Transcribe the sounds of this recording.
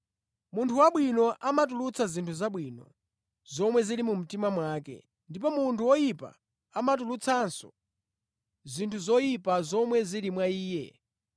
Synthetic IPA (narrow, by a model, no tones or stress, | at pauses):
muntʰuwaɓwinɔʔamatulut͡sʰazintʰuzaɓwiːnɔ̰ | zɔmwɛzilimum̩timamwaːkɛ̰ | ndip̬ɔmuntʰuwɔjipa̰ | amatulut͡sʰansɔ̥̰ | zintʰuzɔjipazɔmwɛzilimwaiːjɛ̰